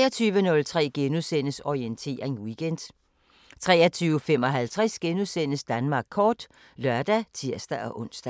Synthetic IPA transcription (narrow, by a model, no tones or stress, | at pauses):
ɒt͡sʰyːʋənɔ̽lt͡sʰʁɛ̰ːɡ̥enusenəsɒient͡sʰe̝̰ːʁeŋwiɡ̥en̰d̥ | t͡sʰʁɛ̰ːɐt͡sʰyːʊəfem̰ɒ̽ɦælt͡sʰʁɛsɡ̥enusen̰əsd̥ænmɑ̈ːɡ̥̚kʰɒːd̥ | lɶɐd̥æt͡sʰiɐ̰sd̥æʔɒ̽ʔɔ̽n̰sd̥æ